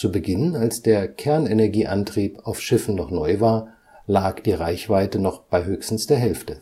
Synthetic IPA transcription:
t͡subəɡɪnənalsd̥eːɐkʰɛɐnɛnɛɐɡiːʔantʁ̥iːpaʊfʃɪfn̩nɔχnɔʏvaːɐ | laːkd̥iːʁaɪçv̥aɪtənɔχb̥aɪɦøːçstn̩sd̥eːɐɦɛlftə

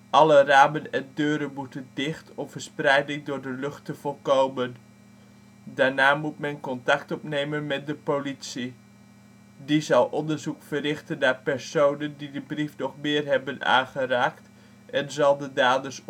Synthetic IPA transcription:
ʔɑləraːbənɛndøːɾəmutədɪχtɔvəɹsprɛjdɪŋdʊːɹdəløχtəvɔlˠkowmən | daːɹnaːmutmɛnkɔntɑktɔpnejmənmɛt̚dəpowlitsi | dizɑlˠʔɔndəɹzukfərɪχtəndaːpɛɹsownəndidəbrifnɔχmɪːrɦɛbəna̰ːnχəraːkt | ɛnzɑlˠdədaːdəs

